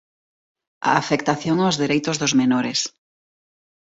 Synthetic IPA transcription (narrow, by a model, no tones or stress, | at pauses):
a̰ːfekt̪aθjoŋaʊzðeɾejt̪ʊzðʊzmenoɾeɪs